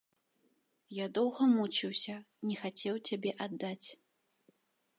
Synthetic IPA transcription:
jad̪ɔwɣɐmut͡ʃiwsʲɐ | nʲɛxat͡sʲɛwt͡sʲabʲɛʔad̪ːat͡sʲ

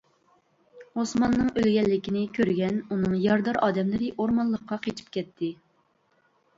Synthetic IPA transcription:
osmɑnːɨŋʔølɡʲɛlːɪkʲinɪkʲʰøɾɡʲɛnunɨŋjɑɾd̪ɑɾʔɑːd̪ɛmlɨɾɪʔoɾmɑnlˠːəqʰːɑqʰet͡ʃʰi̥p̚kʲɛt̪ʰːɪ

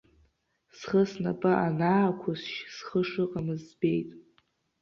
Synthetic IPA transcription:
sχəsnapʼaʔanaːkʷʰʊsʃsχəʂɨqʼamɨzbejtʼ

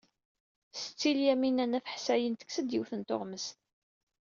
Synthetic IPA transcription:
sət͡sːiljæminænæfəħsæjənt̪ə̥ksəd̪jiwθənt̪o̰ʁməst̪

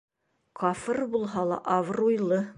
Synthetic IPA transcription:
qʰɑfɤrbulˠɦɑlˠɑ̰ʔɑvrujlˠɤ

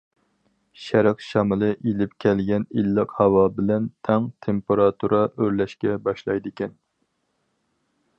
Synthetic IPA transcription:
ʃæɾɛqʃɑmɨlˠɨʔilɪp̚kʲʰɛlɡʲɛnilːɨqhɑwɑbɪlɛnt̪ʰɛŋt̪ʰempeɾɑt̪ʰuɾɑʔøɾlɛʃkʲɛbɑʃlˠɑjd̪ɪkʲɛn

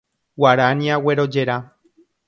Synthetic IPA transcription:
waɾaniaweɾod͡ʒe̞ɾa

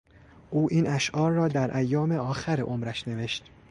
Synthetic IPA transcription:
ʔuːʔiːnʔæʃʔɒːɾːɒːd̪æɾʔæjːɒːme̞ɒːxæɾeʔomɾæʃne̞ve̞ʃt̪

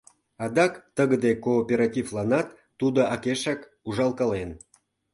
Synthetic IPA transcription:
ɑd̪ɑkt̪əɣəd̪ekoːpʲeɾɑtʲivlˠɑnɑt̪ːud̪ŏɑkeʃɑk | uʒɑlˠkɑlen

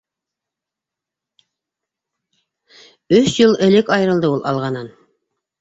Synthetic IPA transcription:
ɵsjɤlˠɘ̆lɘkɑjɤɾɤ̆lˠd̪ɤulˠɑ̰lˠʁɑnɤn

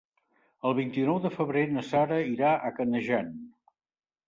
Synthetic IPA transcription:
əlˠβint̪inɔwðəfəβɾenəsaɾəiɾaʔəkənəʒan

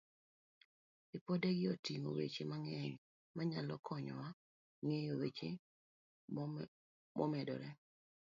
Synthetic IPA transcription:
ipodeɡɪɔtiŋo̰wḛt͡ʃemaŋɛɲ | maɲalɔkʰɔɲɔ̰wa | ŋejowet͡ʃe | mʔɔmɛdɔ̰ɾɛ

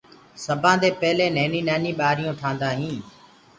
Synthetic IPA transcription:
səbʱãːd̪eːpɛːleːneːnĩːnaːniːɓaːɾɪjõːʈʰãːnd̪aːɦĩː

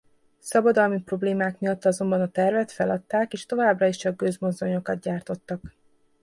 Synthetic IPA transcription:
sɒbɒd̪ɒlmipro̞bleːmaːkmiɒt̪ːɒzo̞mbɒnɒt̪ɛrvɛt̪fɛlɒt̪ːaːkeːʃt̪o̞vaːbrɒiʃt͡ʃɒɡːøzmo̞zːo̞ɲo̞kɒd̪ɟaːrt̪o̞t̪ːɒk

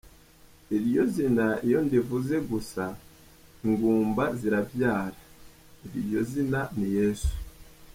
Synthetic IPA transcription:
eɾijo̞zinaijo̞ndivuze̞ɡusa | iŋɡuːmbaziɾavjaːɾa | eβiɾjo̞zinanije̞ːsu̥

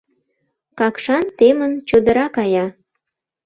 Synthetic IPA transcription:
kɑkʃɑnt̪emənt͡ɕod̪əɾɑkɑjɑ

